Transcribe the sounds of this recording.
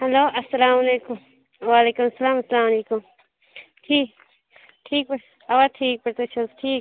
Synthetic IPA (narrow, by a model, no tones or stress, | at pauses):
hɐloːʔɐsːɐlaːmɐleːkʊm | waːleːkʊmɐsɐlaːmɐsːɐlaːmɐleːkʊm | ʈʰiːk | ʈʰiːk̚p | ɐwaʈʰiːk̚pɐɾt̪ut͡ʃʰɐlsʈʰiːk